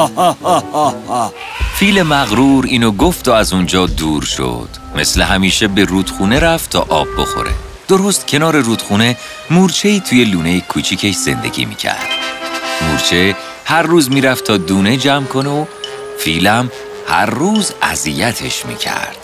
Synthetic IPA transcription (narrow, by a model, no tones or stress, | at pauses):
fiːlemæɣɾuːɾiːnoɡoft̪oæzund͡ʒɒːd̪uːɾʃo̰d̪̥me̞̰sleɦæmiːʃebe̞ɾuːd̪̥xuːne̞ɾæft̪t̪ʰɒ̰ːʔɒːbːo̞̰xo̞̰ɾḛ | d̪̥o̞ɾo̞st̪cʰe̞nɒːɾe̞ruːd̪xuːne̞ | muːɾt͡ʃʰe̞iːt̪ʰuːje̞luːnejekʰut͡ʃʰicʰe̞ʃz̥e̞̰nd̪e̞̰ɟʲḭːmḭːcʰæ̰ɾd̪̥muːɾt͡ʃʰe | hæɾːuːzmiːɾæft̪ʰɒːd̪uːne̞d͡ʒæmkʰo̞neo | fiːlæm | hæ̰ɾːuːzæ̰zijæt̪ʰe̞ʃmḭːcʰæ̰ɾd̪̥